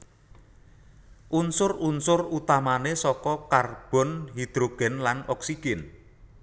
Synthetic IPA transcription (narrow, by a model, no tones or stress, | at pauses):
ʔunsʊrunsʊrut̪amanesɔkɔkarb̥ɔ̤nɦid̪̥ɾoɡ̥ɛ̤nlanɔksiɡ̥ɛn